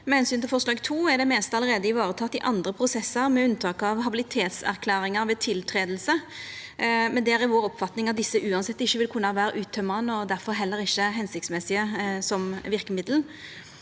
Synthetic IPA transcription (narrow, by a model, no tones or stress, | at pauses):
mɛhɛnsynɪlfɔʁslɑːɡt̪ʰuːæʁɖ̪ɛmeːst̪ɑləɾeːd̪əɪʋɑːɾət̪ʰɑt̪ːɪʔɑnd̪ɾəpʰʁʊsɛsːəɾmɛʉnt̪ʰɑːkɑʋɦɑbɪlɪt̪ʰeːt̪sæ̰ʁkʰlæːɾɪŋəɾʋɛt̪ʰɪlt̪ʰɾeːd̪l̩sə | mɛnd̪ɛæɾɪʋoːɾɔpːfɑt̪nɪŋɑt̪̚d̪ɪsːəʔʉːɑnsɛt̪ːɪçːəʋɪlkʰʊnːəɑʋæːɾəʔʉːt̪ʰːœməʁənːəɔd̪æʁfɔɾɦɛlːəɾɪçːəɦɛnsɪk̚t̪smɛsɪəsɔmʋɪɾkəmɪd̪ln̩